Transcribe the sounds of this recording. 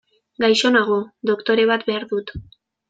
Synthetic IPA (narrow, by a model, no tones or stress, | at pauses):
ɡajʃo̞naɣ̞o̞d̪o̞kt̪o̞ɾe̞β̞at̪be̞aɾðut̪